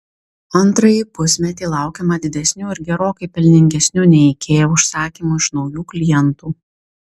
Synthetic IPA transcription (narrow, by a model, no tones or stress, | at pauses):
ɐnˑt̪ɾɐjipʊsʲmʲɛt̪ʲiːlˠɑˑʊkʲɛmɐd̪ʲɪd̪ʲɛsʲnʲuːɪɾɡʲɛɾoːkɐɪpʲɛlʲnʲɪŋʲɡʲɛsʲnʲuːnʲɛɛkʲʰeːjoʊʃsɑːkʲiːmuːɪʃnɒʊjuːklʲɪjɛnt̪uː